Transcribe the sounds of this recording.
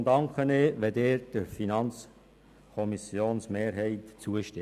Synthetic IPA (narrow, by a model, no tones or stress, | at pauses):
ndɑŋkχəneʋɛd̪eːɾd̥əɾfinɑnt͡s | kʰɔmisjoːnsmeːɾɦɛɪtt͡suəʃtɪ